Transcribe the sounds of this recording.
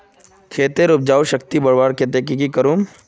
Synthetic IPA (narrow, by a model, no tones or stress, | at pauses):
kʰeːt̪eɾʊb̚d͡ʒaːwʃɐkt̪ibɐɽʋaːɾkʰet̪̬ekikikɐɾuːm